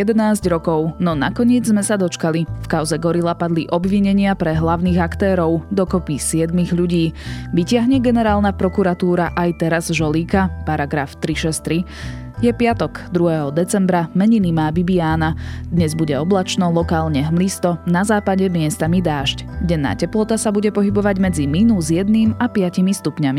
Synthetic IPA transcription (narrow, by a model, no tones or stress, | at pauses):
jɛd̪ɛnaːzɟɾɔkɔʊnɔna̰kɔɲɪɛd͡zzmɛsad̪ɔt͡ʃkalifkaʊzɛɡɔɾilapad̪liʔɔbʋiɲɛɲɪapɾɛɦlaʊniːɣakt̪ɛːɾɔʊd̪ɔkɔpisɪɛd̪miɣʎuɟiːʋicɪaɦɲɛɡɛnɛɾaːlnapɾɔkuɾat̪uːɾaʔajt̪ɛɾazʒɔliːkapaɾaɡɾaft̪ɾiʃɛst̪ɾi | jɛpɪat̪ɔɡ̥d̪ɾuɦɛɦɔd̪ɛt͡sɛmbɾamɛɲinimaːbibijaːnad̪ɲɛzbuɟɛɔblat͡ʃnɔlɔkaːlɲɛɦmlist̪ɔnazaːpaɟɛmɪɛst̪amid̪aːʃc | ɟɛnːa̰ːcɛplɔt̪asabuɟɛpɔɦibɔʋaɟmɛd͡ziminuːzjɛd̪niːmapɪacimist̪upɲami